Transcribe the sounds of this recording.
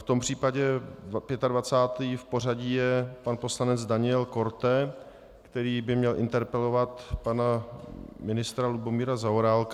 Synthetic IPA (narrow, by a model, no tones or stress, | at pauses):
ft̪o̞mpr̥iːpaɟɛpjɛt̪advat͡saːt̪iːfpo̞r̝aɟiːjɛpanpo̞slanɛd͡zdaɲɪɛlko̞ɾt̪ɛ | kt̪ɛɾiːbɪmɲɛlʔɪ̰nt̪ɛɾpɛlo̞vat̪pana | mɪnɪst̪ɾalubo̞miːɾazaoɾaːlk